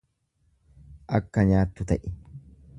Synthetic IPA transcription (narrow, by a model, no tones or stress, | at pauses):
ʔɐkːɐɲaːt̪ːʊt̪ɐʔɪ